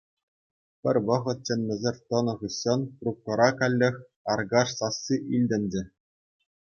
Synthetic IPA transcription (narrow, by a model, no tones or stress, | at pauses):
pʲɘ̆rʲʋɤ̆ʁɤ̆t̪̚t͡ɕɘ̆nʲːĕzʲerʲt̪ɤ̆nɤ̆ʁɯɕːɤ̆nkrup̚kɤ̆ɾɑkɑlʲːɘ̆xʲ | ɑrɡɑʂsɑsːiʔilʲdʲɘ̆nʲd͡ʑɘ̆